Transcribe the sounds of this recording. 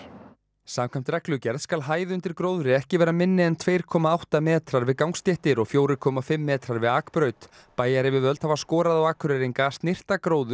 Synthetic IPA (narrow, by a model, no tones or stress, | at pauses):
saːmkʰajm̥t̪ɾɛklʏcɛɾðskalɦaːjðɪʏnt̪ɪɾ̥kɾowðʏɾɪɛhcɪvɛːɾamɪnːɪɛnt̪ʰvejɾ̥kʰɔːmaawht̪amɛːt̪ɾaɾvɪðkawŋkst̪jɛht̪ɪɾɔɣfjoːwɾɪkʰɔːmafɪmːɛːt̪ɾaɾvɪðaːkpɾœːɥt̪ | paːjaɾɪvɪðvœlt̪havaskɔːɾaðawaːkʰʏɾɛɾiŋkast̪nɪr̥t̪akɾoːwðʏ̥